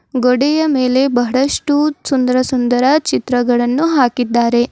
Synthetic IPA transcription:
ɡoɽɛjɐmeːle̞bɐɦɐɭɐʂʈusund̪ɐɾɐsund̪ɐɾɐt͡ʃit̪ɾɐɡɐɭɐnːuɦaːkid̪ːaːɾe̞

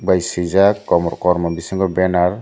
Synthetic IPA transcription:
bajsizakːɔmɔɾkɔɾmɔbisiŋɡɔbɛnaɾ

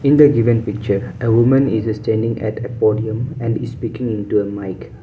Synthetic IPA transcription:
ĩnd̪əɡivə̃npik̚t͡ʃəʔəwumə̃nisstɛ̃ndĩŋɛ̰təpɔdiə̃mɛ̃ndispikĩŋĩntuəmaɪk

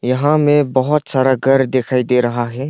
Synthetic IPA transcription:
jɐɦãmẽbɐɦʊt̪saːɾaɡʱɐɾd̪eːkʰaːid̪eːɾɐɦaɦɛː

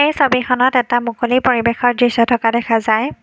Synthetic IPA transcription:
ejsobixʰɔnɔtɛtamukolipoɹibexɔɹdɹisɔtʰɔkadɛkʰazaj

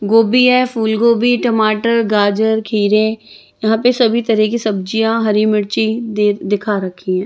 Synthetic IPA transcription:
ɡoːbiɦɛfuːlɡoːbiʈɐmaːʈəɾɡaːd͡ʒəɾkʰiːɾẽ | jɐɦãːpesɐbʱit̪ɐɾɛkisɐb̚d͡ʒijãɦɐɾiməɽt͡ʃid̪ed̪ɪkʰaɾɐkʰiɦɛ̃ː

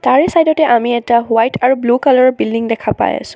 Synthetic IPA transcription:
taɹɛsajdɔtɛʔamiɛtawajtaɹublukalɔɹɔbildiŋdɛkʰapa̰ja̰sʊ̥̃

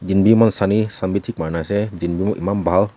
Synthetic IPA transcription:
d͡ʒinbimɔnsanisambit̪ʰik̚manasɛd͡ʒinbimɔʔimambaɦal

